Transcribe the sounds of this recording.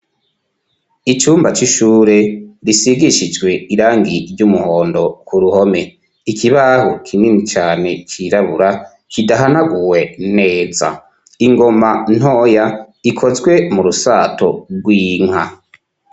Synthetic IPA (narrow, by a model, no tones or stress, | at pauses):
it͡ʃuːmbat͡ʃiʃuːɾe̞ɾisiɡiʃid͡ʒɡwe̞iɾaːŋɡiɾɟumuhoːndo̞kuɾuho̞me̞ | ikʰiβaɦokʰiminit͡ʃaːne̞t͡ʃiɾaβuɾa | kʰidaɦanaɡuwe̞ne̞ːza̰ | iŋɡo̞man̥o̞ːja | ikʰo̞zɡwe̞muɾusaːto̰ɡwiːŋ̥ha